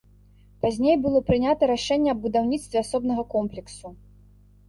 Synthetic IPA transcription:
pazʲnʲejbɨlˠɔpɾɨnʲat̪ɐɾaʂɛnʲːɛɐbbud̪awnʲit̪st̪vʲɛasɔbnɐɣɐkɔmplʲɛksu

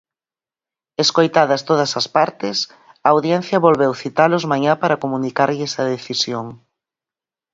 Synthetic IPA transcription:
eskojt̪aðɐst̪oðɐsɐspaɾt̪ɪs | ɐːwðjɛn̟θjɐβolβewθit̪alʊzmaɲapaɾɐkomunikaɾʎɪsɐðeθisjoŋ

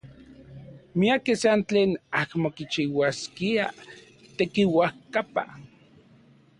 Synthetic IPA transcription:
miakesant͡ɬeːnakmokit͡ʃiwaskia̰ | t̪ekiwahkapa̰

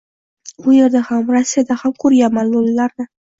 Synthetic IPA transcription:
bʊjeɾd̪ahamɾasːijad̪ahamkʰɵɾjamanlolːaɾd̪ɪ

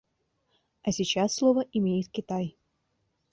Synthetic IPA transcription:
asʲit͡ɕasːlˠovəʔimʲejɪt̪kʲɪt̪aj

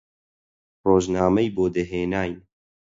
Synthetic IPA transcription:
roːʒnaːmɐjboːd̪eɦeːnaːj

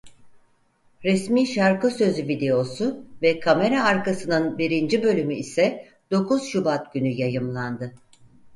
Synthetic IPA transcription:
ɾɛsmiːʃaɾkɯsø̞zyvid̪e̞o̞suvɛkʰame̞ɾaːɾkasɯnɯnbiɾind͡ʒibø̞lʲymyisɛ | d̪̥o̞kʰuzʃubat̪̚ɟynyjajɯmlˠand̪ɯ

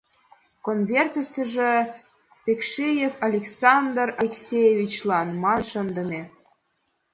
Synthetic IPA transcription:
konvʲert̪ə̆ʃt̪ə̆ʒĕ | pekʃejefɑlʲeksɑnd̪ərɑlʲeksʲejevʲit͡ɕlɑnmɑnʃə̆nd̪ə̆mʲe

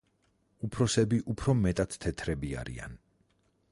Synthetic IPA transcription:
upʰɾɔsɛbiʔupʰɾɔmɛt̪ʼat̪t̪ʰːɛt̪ʰɾɛbia̰ɾḭa̰n

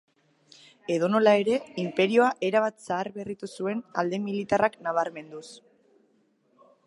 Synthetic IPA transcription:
e̞ðo̞no̞lae̞ɾe̞impe̞ɾio̞aʔe̞ɾaβ̞at̪saːrβe̞rit̪usue̞na̰ld̪e̞milit̪araknaβ̞aɾme̞nd̪us

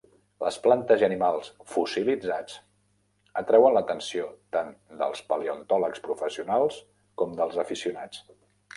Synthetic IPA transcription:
lə̰splant̪əziənimalˠsfusilid͡zat͡s | ət̪ɾɛwənlət̪ənsiot̪and̪ə̰lˠspəliunt̪ɔləkspɾufəsiunalˠs | kɔmd̪əlˠzəfisiunat͡s

